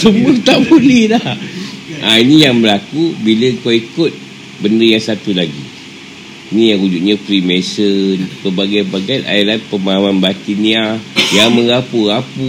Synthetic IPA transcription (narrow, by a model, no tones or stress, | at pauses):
səmukt̪aʔbulidahʔainijaŋbəlakubiləəŋkawikʊt̪̚ | bəndəjaŋsat̪ulaɡi | inĩjaŋud͡ʒut̪̚ɲapɾimesənpəbaɡajbaɡana̰iɾanpəmaɦamanbat̪iniajaŋmə̃ŋɣapuɣapu